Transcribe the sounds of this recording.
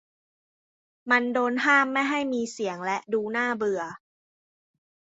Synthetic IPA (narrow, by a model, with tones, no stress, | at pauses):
ma˧ndoː˧nɦaː˥˩mːa˥˩jɦa˥˩jmiː˧si˩˦əŋlɛ˦˥ʔduː˧naː˥˩bɯ˧ɐ